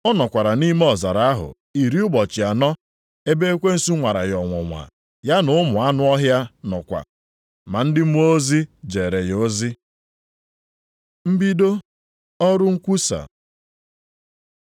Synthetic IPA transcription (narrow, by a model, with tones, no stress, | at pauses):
ɔ˦nɔ˨kʷa˨ɾa˨ni˦me˦ɔ˨za˨ɾa˨a˦ɦʊ̰˨ | i˨ɾi˦ʊ˦bɔ˨t͡ʃɪ˨a˨nɔ˦ | e˦be˦e˦kʷe˦n̩˦su˦ŋʷa˨ɾa̰˨jɔ˨ŋʷɔ̰˨ŋʷa̰˨ | ja˦nʊ˨˦ʊ˦mʊ˨a˦nʊ˦ɔ˦ɦja˦nɔ˨kʷa̰˨ | ma˨n̩˦dɪ˦m̩˦u˦o˦zi˦d͡ʒe˨ɾe˨jo˦zi˦ | m̩˦bi˦do˦ | ɔ˦ɾʊ˦ŋ̩˦kʷu˦sa̰˨